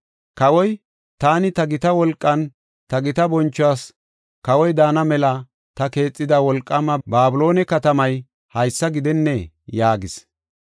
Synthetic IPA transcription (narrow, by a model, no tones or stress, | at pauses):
kɐwɔj | t̪aːnɪt̪ɐɡɪt̪ɐwɔlkʼːɐn | t̪ɐɡɪt̪ɐbɔnt͡ʃːʊaːs | kɐwɔjd̪aːnɐmɛlɐ | t̪ɐke̞ːt͡sʼːɪd̪ɐwɔlkʼːɐmɐbaːbʊlo̞ːnɛkɐt̪ɐmɐj | hɐjsːɐɡɪd̪ɛnːɛ | jaːɡɪs